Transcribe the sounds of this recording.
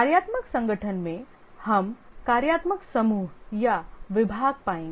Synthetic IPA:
kaɾjaːt̪məksɐ̃ŋɡəʈʰənmẽ | hɐm | kaːɾjaːt̪məksɐmuːɦjaʋɪbʱaːɡ̚paːẽːŋɡ

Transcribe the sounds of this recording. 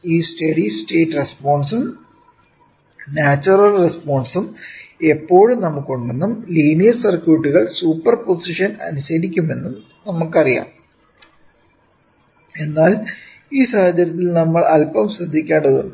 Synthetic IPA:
iːsʈɐɽisʈe̞ːʈːrespoːɳɖsum | naːt͡ɕːurɐlrespoːɳɖsume̞pːo̞ːɻumnɐmːukːo̞ɳɖenːumliːnijɐsɐrkjuːʈːuɣɐɭsuːpːɐrpo̞siʂɐnɐ̰nuɕɐɾikʲːume̞nːum | nɐmːukːɐrija̰ːɳ | e̞nːaːl | iːsaːhɐd͡ʑɐɾjɐt̪̬ːilnɐmːɐɭɐlpɐmɕrid̪ʱːikʲːaːɳɐðonː

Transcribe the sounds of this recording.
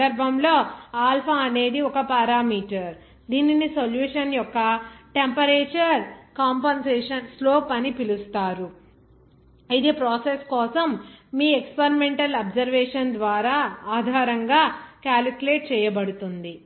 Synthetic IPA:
ɐɾbʱɐmlo̞ːaːlpʰaːɐne̞ːd̪iɔkɐpaːɾaːmiːʈɐɾ | d̪iːninisoljuːʂɐnjɔkːɐʈempɐɾeːt͡ʃɐɾkaːmpɐnsɛːʂɐnslo̞ːpɐnipilust̪aːɾu | ɐjt̪eːpɾɔːseskɔːsɐmːiːekspɐɾimeɳʈɐlɐbzɐɾʋeːʂɐnd̪ʋaːɾaːaːd̪ʱaːɾɐŋɡaːkaːlikuleːʈ̚t͡ʃɛːjɐbɐɽut̪und̪i

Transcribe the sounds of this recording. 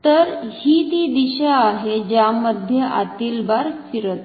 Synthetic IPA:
t̪əɾhiːt̪iːd̪iɕeaɦed͡ʑjamːəd̪ʱjəʔat̪iːlbaɾfiɾət̪

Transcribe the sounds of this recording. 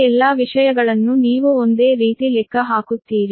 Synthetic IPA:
ɛlːaːʋiʂɐjɐɡɐɭɐnːuniːʋuond̪eːɾiːt̪ilɛkʰːɐɦaːkut̪ːiːɾi

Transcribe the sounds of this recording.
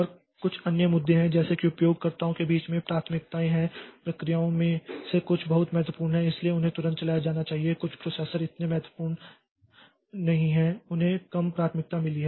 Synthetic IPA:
ɔɾ | kʊt͡ʃʰɐnjəmʊd̪ʱːeɦɛ̃d͡ʒɛːsekiʊpjoːɡ̚kɐɾt̪aːõkebiːt͡ʃmẽpɾaːt̪ʰmɪk̚t̪aẽɦɛ̃pɾɐkɾijaːõmẽsekʊt͡ʃʰbɐɦʊt̪mɛɦt̪wəpuːɾnɦɛ̃ɪslieʊnɦẽt̪ʊɾə̃t̪t͡ʃɐlaːjad͡ʒaːnat͡ʃaːɦiekʊt͡ʃʰpɾoːsɛːsəɾɪt̪nemɛɦt̪wəpuːɾɳ | nɐɦĩɦɛ̃ʊnɦẽkɐmpɾaːt̪ʰmɪk̚t̪amɪliɦɛ

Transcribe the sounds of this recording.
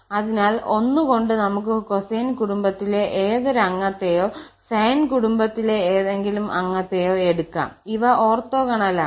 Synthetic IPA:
ɐðinaːlo̞nːuko̞ɳɖɨnɐmuk̬ːɨko̞sejnkuɽumbɐt̪ːile̞ʔeːðoɾuɐŋːɐt̪ːejo̞ː | sejnkuɽumbɐt̪ːileːðeŋɡilumʔɐ̰ŋːɐt̪ːejoːe̞ɽukːa̰ːmiʋɐʔoːrt̪ːoːkɐɳɐlaː

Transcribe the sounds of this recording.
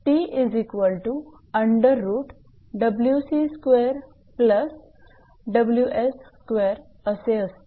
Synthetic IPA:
ʈiʔizikʋəlʈu | əɳɖəɾːuːʈ | ɖəbljusiskʋeɾ | pləs | ɖəbljuʔessːkʋeɾ | əseəst̪e

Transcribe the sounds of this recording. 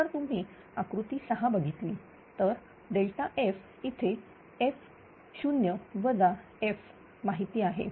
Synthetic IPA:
əɾt̪um̤iː | akɾut̪iːsəɦabəɡʱit̪liː | t̪əɾ | ɖeɭʈaʔef | it̪ʰe | ef | ɕunjəʋəd͡za | ef | maɦit̪iːaɦḛ

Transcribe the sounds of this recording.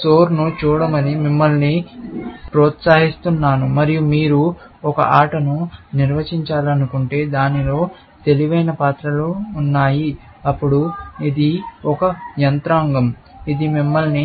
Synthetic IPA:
soːɾnut͡ʃuːɽɐmɐnimimːɐlni | pɾoːt̪saːɦist̪unːaːnumɐɾijumiːɾu | ɔkɐ̰ʔaːʈɐnuniɾʋɐt͡ʃiɲt͡ʃaːlɐnukuɳʈe̞ːd̪aːnilo̞ː | t̪e̞liʋɐjnɐpaːt̪ɾɐluːnːaːji | ɐpːuɽuid̪iɔkɐjɐnt̪ɾaːŋɡɐm | id̪imimːɐlni

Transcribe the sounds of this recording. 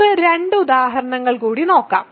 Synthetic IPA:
ɨɾe̞ɳɖɨud̪aːɦɐɾɐɳɐŋːɐɭkuːɽino̞ːkːa̰ːm

